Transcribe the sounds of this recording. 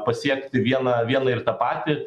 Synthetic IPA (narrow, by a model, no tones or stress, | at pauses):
pɐsʲiɛkt̪ʲɪʋʲiɛnɐʋʲiɛnɐɪɾt̪ɐpɑːt̪ʲɪ